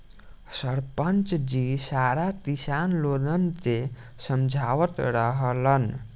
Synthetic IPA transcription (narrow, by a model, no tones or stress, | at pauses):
sʌɾpənt͡ʃd͡ʒisaɾat̪isanlod̪ənt͡se | sʌmd͡ʒʱawət̪ɾʌɦəlʌn